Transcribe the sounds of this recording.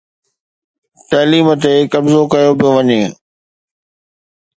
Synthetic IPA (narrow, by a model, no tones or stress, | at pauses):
t̪ɐliːmət̪̬ekɐbzokɐjopijoʋɐɲeː